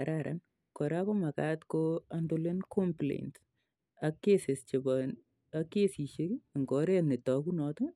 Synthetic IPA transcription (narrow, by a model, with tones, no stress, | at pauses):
aɾaɾa̰n | kɔ˨ɾako˦ma˨katkoandole˦nkɔmplḛ˨nt | akːese˨st͡ʃe˨ba | akːe˦si˨ʃe˦kŋɡɔ˨ɾe˦ne˨tɔ˨kunɔ˧to˦